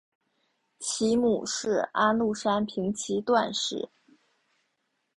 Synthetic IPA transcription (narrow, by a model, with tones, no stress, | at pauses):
t͡ɕʰi˧˥mu˨˩ʂɻ̩˥˩a˥nlu˥˩ʂa˥npʰi˧˥ŋt͡ɕʰi˧˥t̪wa˥˧nʂɻ̩˥˩